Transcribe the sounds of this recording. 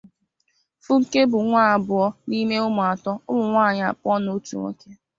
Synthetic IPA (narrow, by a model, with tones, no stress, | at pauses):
fʊ˦ŋ̩˨ke˦bʊ˨ŋʷaː˦a˨bʊ˨ɔ˦ni˦me˦ʊ˦mʊ˨a˨tɔ˦ʊ˦mʊ˨ŋʷaː˦˨ɲ˨a̰˨pʊ˦ɔ˦no˦tṵ˨ŋʷo̰˦ke˦